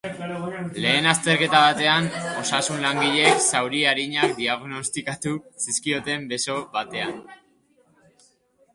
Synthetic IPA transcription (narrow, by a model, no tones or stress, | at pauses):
le̞ːnast̪e̞ɾke̞t̪aβ̞at̪e̞ano̞sasunlaŋɡiʎe̞ksawɾiaɾiɲak̚d̪iaɣno̞st̪ikat̪usiskio̞t̪e̞mbe̞so̞βat̪e̞an